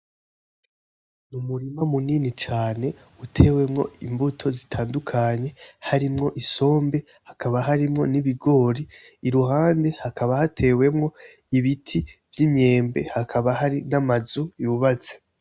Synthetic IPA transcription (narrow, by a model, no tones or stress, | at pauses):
numuɾimamuniːnit͡ʃaːne̞ | utʰe̞ːwe̞mŋo̞̰imbutʰo̞zitʰaːndukʰaɲe̞haɾimŋo̞ʔiso̞ːmbe̞ | hakaβaɦaɾimŋo̞niβiɡo̞ːɾiːɾuɦaːnde̞hakʰaβahatʰe̞ːwe̞mŋo̞ | iβitʰivjimɲe̞ːmbe̞̰hakʰaβahaɾinamazujuβat͡se̥